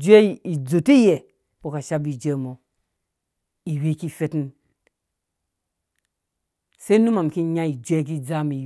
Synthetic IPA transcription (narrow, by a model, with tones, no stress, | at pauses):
d͡ʒe˦˨i˨d͡zo˨ti˦je˨ | po˨ka˨ʃa˦bi˨d͡ʒe˦˨mo˨ | i˨wi˦ki˦fe˦ti˦n | se˦nu˦ma˨mki˦ɲa˦i˨d͡ʒu˦e˦k̬i˦d͡za˦mi˨